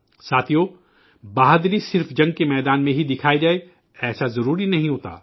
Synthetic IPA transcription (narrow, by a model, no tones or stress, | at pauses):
saːt̪ʰijoː | baːɦd̪ɾisɪɾfd͡ʒɐ̃ŋɡ̚kemɛːd̪aːnmẽɦid̪ɪkʰaːid͡ʒaːe | ɛːsazɐɾuːɾinɐɦĩɦoːt̪a̰ː